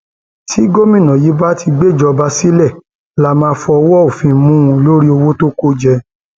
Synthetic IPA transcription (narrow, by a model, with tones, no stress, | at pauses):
tʰi˨˦ɡo˦mĩ˦˨nã˨ji˨˦ba˦ti˧ɡ͡be˦˨d͡ʒɔ˧ba˧˦si˦lɛ˦˨ | la˦mãː˧fɔ˧wɔ˦o˨fĩ˧mũ˦˧lo˦ɾi˦o˧wo˦to˦ko˦d͡ʒɛ˧